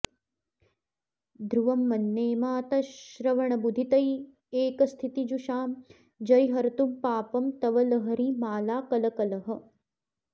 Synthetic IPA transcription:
d̪ʱɾuʋɐmːɐnːeːmaːt̪ɐʃʃɾɐʋɐɳɐbud̪ʱit̪ɐj | eːkɐst̪ʰit̪id͡ʒuʃaːm | d͡ʒɐɾiɦɐɾt̪umpaːpɐmt̪ɐʋɐlɐɦɐɾimaːlaːkɐlɐkɐlɐɦɐ̆

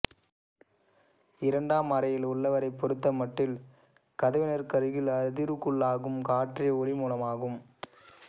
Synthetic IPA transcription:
ɪɾɐɳɖaːmɐɾɐjɪlʊɭːɐʋɐɾɐɪpːɔɾɯt̪ːɐmɐʈːɪl | kɐðɐʋɪnɐɾkɐɾɯɣɪlɐɾðɪɾɯkːɯɭːaːɣɯmkaːʈrijɔɭɪmuːlɐmaːɣɯm

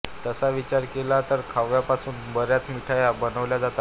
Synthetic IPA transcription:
t̪əsaʋit͡ɕaɾkelat̪əɾkʰaʋjapasuːnbəɾjat͡smiʈʰajabənəʋljad͡zat̪a

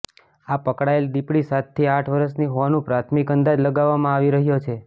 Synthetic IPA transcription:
apəkɽaeld̪ipɽisat̪ʰːiaʈʰʋəɾəsniɦoʋanũpɾat̪ʰmikənd̪ad͡ʒləɡaʋːamãaʋiɾəɦjot͡ʃʰe

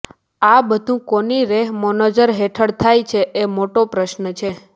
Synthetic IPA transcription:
abəd̪ʱũkoniɾeɦmɔnod͡ʒəɾɦeʈʰəɽt̪ʰajt͡ʃʰeʔemoʈopɾəʃnət͡ʃʰe

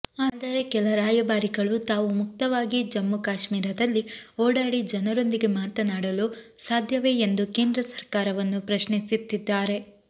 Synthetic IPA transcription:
aːd̪ɐɾe̞kɛlɐɾaːjɐbaːɾiɡɐɭut̪aːʋumuk̚t̪ɐʋaːɡid͡ʒɐmːukaːʃmiːɾɐd̪ɐlːioːɽaːɽid͡ʒɐnɐɾo̞nd̪iɡe̞maːt̪ɐnaːɽɐlu | saːd̪ʱjɐʋe̞ːend̪uke̞ːnd̪ɾɐsɐɾkaːɾɐʋɐnːupɾɐʃɳisit̪ːid̪ːaːɾe̞

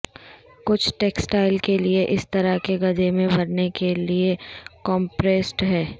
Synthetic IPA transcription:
kʊt͡ʃʰʈeːksʈaːɪlkelieʔɪst̪ɐɾakeɡɐd͡ʒemẽbʱɐɾnekeliekɔ̃ːmpɾeːsʈɦɛː

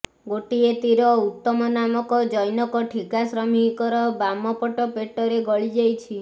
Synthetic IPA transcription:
ɡoʈiet̪iɾɔut̪ːɔmɔnamɔkɔd͡ʒɔjnɔkɔʈʰikasɾɔmikɔɾɔbamɔpɔʈɔpeʈɔɾeɡɔɭid͡ʒajt͡ʃʰi

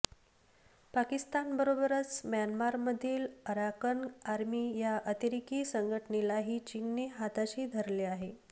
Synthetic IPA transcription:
pakist̪anbəɾobəɾət͡smjanmaɾməd̪ʱiːləɾakənaɾmiːjaʔət̪iɾikiːsəŋɡʱəʈənelaɦiːt͡ɕiŋɡneɦat̪aɕiːd̪ʱəɾleaɦe

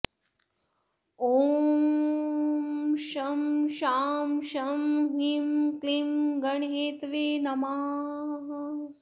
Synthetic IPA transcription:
oː | mʃɐmʃaːmʃɐmɦimklimɡɐɳɦeːt̪ʋinɐmaːɦ

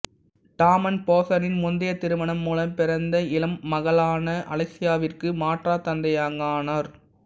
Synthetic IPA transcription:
ʈaːmɐnpoːsɐnɪnmʊnd̪ɪjɐt̪ːɪɾɯʋɐɳɐmːuːlɐmpɪɾɐnd̪ɐɪlɐmːɐɣɐɭaːnɐʔɐ̰lɐɪsɪjaːʋɪrkɯmaːʈraːt̪ɐnd̪ɐjaːŋɡaːnɐɾ

